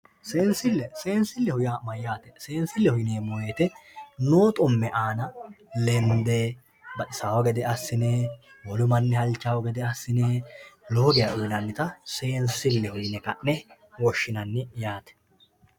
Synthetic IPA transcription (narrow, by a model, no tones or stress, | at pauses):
se̞ːnsɪlːɛseːnsɪlːɛhʊjaːmɐjːaːt̪ɛseːnsɪlːɛhʊjɪneːmɔjeːt̪ɛnoːt̪ʼɔmːɛʔaːnɐlɛnd̪eː | bɐʔɪsaːwɔɡɛd̪ɛɐsːɪneː | wɔlʊmɐnːɪhɐlt͡ʃːaːwɔɡɛd̪ɛɐsːɪneːlo̞ːɡɪjɐʔʊjɪnɐnːɪt̪ɐse̞ːnsɪlːɛhʊjɪnɛkɐ̰ʔːɛ | wɔʃːɪnɐnːɪjaːt̪ɛ̥